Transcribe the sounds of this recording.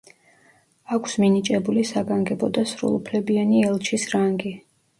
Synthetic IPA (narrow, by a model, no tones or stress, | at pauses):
akʰsminit͡ʃʼɛbulisaɡaŋɡɛbɔd̪asɾṵlˠupʰlɛbianiɛlˠt͡ʃʰisɾaŋɡi